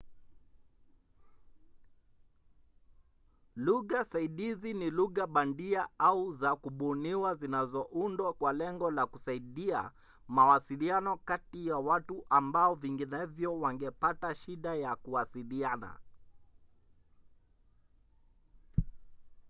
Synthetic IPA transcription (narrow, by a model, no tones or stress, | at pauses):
luɣasaiɗiziniluɣaɓandiaauzakuɓuniwazinazɔʔundwakwalɛŋɡɔlakusaiɗia̰ | mawasilianɔkatijawatuʔambaɔviŋɡinɛvjɔwaŋɡɛpataʃiɗajakuwasiliana̰